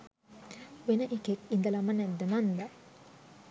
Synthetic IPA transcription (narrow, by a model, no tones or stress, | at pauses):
ʋenəʔikekind̪ɐlamɐnɛd̪ːəmand̪a